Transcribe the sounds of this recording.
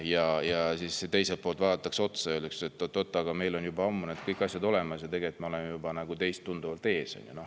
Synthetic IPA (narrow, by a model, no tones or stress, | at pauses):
jɑjɑsisːet̪e̞jselt̪̚po̞ːlt̪vɑːd̪ɑt̪ːˑɑkseo̞t̪sɑøːlykset̪ːot̪ːot̪ːˑɑɑɡ̥ɑme̞jlo̞njubɑɑmːuned̪̥kɤjkːˑɑsʲjɑd̪o̞lemɑsjɑt̪e̞ɡeet̪mɑo̞lemejubɑnæɡ̥ut̪e̞jst̪ːund̪uvɑlt̪e̞ːsɑ̰nʲjuno̞h